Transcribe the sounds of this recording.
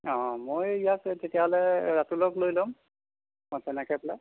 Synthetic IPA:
ɔ̃mojijaktetijaɦɔlɛɹatulɔklojlɔm | mɔsɛnɛkʰɛpla

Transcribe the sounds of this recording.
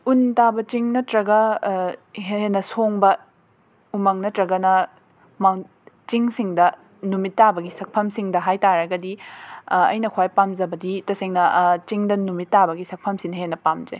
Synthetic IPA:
untabɐt͡ʃiŋnɐtɾɐɡɐ | ɦenːɐsoŋbɐ | umɐŋnɐtɾɐɡɐnɐ | maŋ | t͡ʃiŋsiŋdɐ | numitːabɐɡisɐk̚pʰɐmsiŋdɐɦajtaɾɐɡɐdi | ɐ̰jnɐkʰwajpamzɐbɐditɐseŋnɐt͡ʃiŋdɐnumitːabɐɡisɐk̚pʰɐmsinhenːɐpamd͡ʒḛ

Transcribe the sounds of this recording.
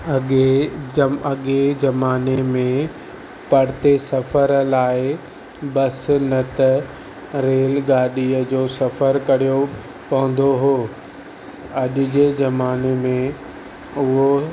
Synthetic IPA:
ɐɠezɐmaːnemẽ | pɐɽɪt̪esɐfəɾlaːɪ | bɐsnɐt̪ɐ | ɾeːlɡaːɗiəd͡ʑoːsɐfəɾkɐɾ̤ijo | pɐɦə̃n̆d̪oɦoː | ɐʄʊ̆d͡ʑeːzɐmaːnemẽ | ʊɦo

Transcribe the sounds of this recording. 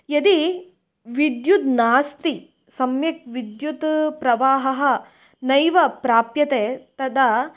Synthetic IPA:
jɐd̪i | ʋid̪jut̪naːst̪i | sɐmjɐk̚ʋid̪jut̪pɾɐʋaːɦɐɦɐ̆ | nɐjʋɐpɾaːpjɐt̪eːt̪ɐd̪ɐ

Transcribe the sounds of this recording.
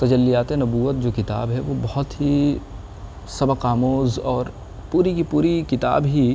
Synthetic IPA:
t̪ɐd͡ʒəlːijaːt̪ẽnɐbuːʋət̪̚d͡ʒoːkɪt̪a̰ːbɦɛʋobɐhʊt̪ɦi | sɐbəqaːmoːzɔːɾ | puːɾikipuːɾikɪt̪a̰ːbɦi

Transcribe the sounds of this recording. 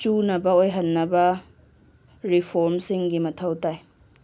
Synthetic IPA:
t͡ʃunɐbɐojɦɐnːɐbɐ | ɾipʰoɾmsiŋɡimɐtʰɐwtaj

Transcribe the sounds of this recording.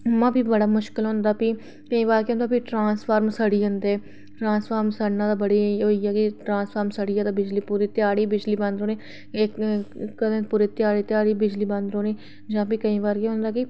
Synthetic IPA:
mãːbʱiːbəɽaːmʊʃkɪlɦõnd̪aːpiː | kəĩːʋaːɾkeɦʊ̃ːnd̪aːpiʈɾãːspʰaːɾmsəɽiːɦʊnd̪iɛː | ʈɾãːnspʰaːɾmsəɾnãːd̪aːbəɽiːoːiːɛːkɪʈɾãːspʰəːɾmsəɽiːɛːd̪aːbɪd͡ʒliːpuɾiːt̪ɪjaːɽiːbɪd͡ʒliːbə̃nd̪ɾoːneː | kːəd̪ẽːpuːɾeːt̪ɪjaːɽiːt̪ɪjaːɽiːbɪd͡ʒliːbə̃nd̪ɾoːniː | d͡ʒãːpiːkəĩːβaːɾkeɦʊ̃nd̪aːkɪ

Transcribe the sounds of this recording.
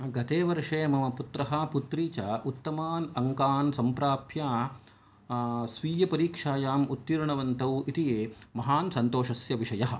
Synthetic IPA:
ɡɐt̪eːʋɐɾʂeːmɐmɐput̪ɾɐɦɐ̆put̪ɾiːt͡ʃaʔut̪ːɐmaːnɐŋkaːnsɐmpɾaːpjaː | sʋiːjɐpɐɾiːkʂaːjaːmut̪ːiɾɳɐʋɐnt̪ɐwit̪ijeːmɐɦaːnsɐnt̪oːʂɐsjɐʋiʂɐjɐɦɐ̆

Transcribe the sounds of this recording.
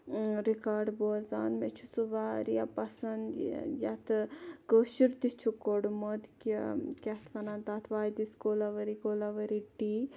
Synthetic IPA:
ɾikaːɾɖboːza̰ːnmet͡ʃʰusuʋaːɾijapɐsɐnd̪ja̰t̪ʰɨkəːʃiɾt̪it͡ʃʰukoɖmod̪kikʲɐt̪ʰʋɐnaːnt̪at̪ʰʋaːjd̪iskoːlaʋɐɾikoːlɐʋɐɾiʈi

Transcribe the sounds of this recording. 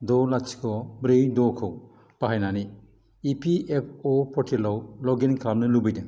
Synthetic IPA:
dɔlat͡ʃʰi̥kʰɔbɾejdɔkʰɯw | paɦajnaniː | pʰiʔepʰɔpʰɔtʰelawlɔɡenkʰabnɯlubɯjdeŋ

